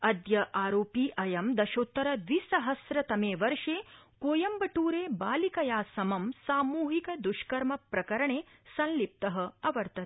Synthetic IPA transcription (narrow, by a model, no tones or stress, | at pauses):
ɐd̪jɐʔaːɾoːpiːʔɐjɐmd̪ɐʃoːt̪ːɐɾɐd̪ʋisɐɦɐsɾɐt̪ɐmeːʋɐɾʂeːkoːjɐmbɐʈuːɾeːbaːlikɐjaːsɐmɐmsaːmuːɦikɐd̪uʃkɐɾmɐpɾɐkɐɾɐɳeːsɐnlip̚t̪ɐɦɐɐʋɐɾt̪ɐ